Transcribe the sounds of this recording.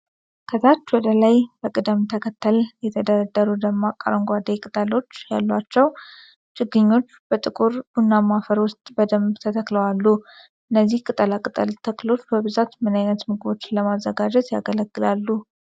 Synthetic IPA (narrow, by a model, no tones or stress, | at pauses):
kʰət̪ʰat͡ʃːwɔd̪əlajbəkʼɨd̪əmt̪ʰəkʰət̪ʰːəljɛt̪ʰəd̪əɾəd̪ːəɾud̪əmakʼːa̰ɾəŋɡʷad̪ekʼɨt̪ʼəlo̞t͡ʃːja̰lːwat͡ʃːɛw | t͡ʃʼɨɡːɨɲːo̞t͡ʃːbət̪ʼɨkʼuɾbunːamafəɾwʊst̪ʼbəd̪əmbt̪ʰət̪ʰəkləwalːu | ʔɨnːəzːihkʼɨt̪ʼəlakʼɨt̪ʼə̰lt̪ʰəklo̞t͡ʃːbəβɨzat̪mɨnajnət̪mɨɡɨbo̞t͡ʃːləmazːəɡad͡ʒɛt̪jaɡələɡːɨlalːu